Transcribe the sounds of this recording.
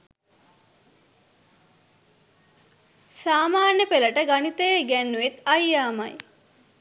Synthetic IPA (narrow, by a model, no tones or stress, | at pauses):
saːmaːnəpeləʈəɡanit̪əjeɡænːuʋet̪ajjaːma̰j